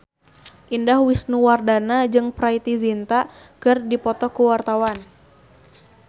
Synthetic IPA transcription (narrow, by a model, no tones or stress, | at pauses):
ʔindahwisnuwardanad͡ʒɨŋpɾait̪izint̪akɨrdipɔt̪ɔkuwart̪awan